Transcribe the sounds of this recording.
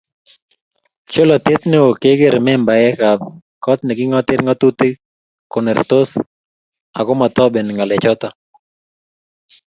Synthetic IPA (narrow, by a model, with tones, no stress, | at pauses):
t͡ʃo˦lɔ˨t̪ɪ˦t̪ne˦o˨ke˦ɡe˦ɾmɛ˦mba˨jɛ˦ka˨b̚ | kɔ˦t̪nɛ˨ɡɪ˦ŋɔ˦t̪ɪ˦ɾŋɔ˦t̪u˦t̪i˦ | kɔ˨nɛ˨rt̪o˦s | a˨kɔ˦ma˨t̪ɔ˦be˨nŋa˨lɛ˨t͡ʃɔ˦t̪a˨